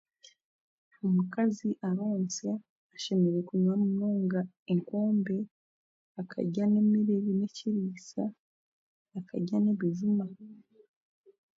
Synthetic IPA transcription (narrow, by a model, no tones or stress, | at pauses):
omukaziʔaɾo̞ːnse | aʃe̞me̞ɾe̞kuɲwamunoːŋɡa | eŋko̞ːmbe̞ | akʰa̰ɟane̞miɾeβine̞ciɾiːsaː | kʰa̰ɟane̞βiʒuma